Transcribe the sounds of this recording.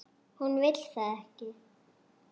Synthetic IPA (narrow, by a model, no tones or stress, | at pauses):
hunvɪl̥θaɛhcɪ